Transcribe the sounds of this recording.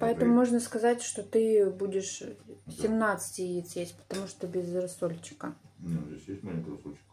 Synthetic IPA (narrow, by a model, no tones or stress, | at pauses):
pɐɛt̪əmʊmo̞ʐnəskɐzatʲʂt̪ot̪ɨbudʲɪʂsʲɪmnat̪sɨ̥tʲɪjit̪sjʲesʲtʲpə̥t̪ɐmuʂt̪obʲɪzɾɐsolʲt͡ɕɪ̥kənʲeesʲjesʲt̚ʲmanʲkɾɐsot͡ɕk